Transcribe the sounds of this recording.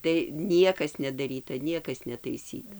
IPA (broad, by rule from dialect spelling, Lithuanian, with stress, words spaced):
tɐɪ ˈnʲiɛkɐs nʲɛdɐˈrʲiːtɐ ˈnʲiɛkɐs nʲɛtɐɪˈsʲiːtɐ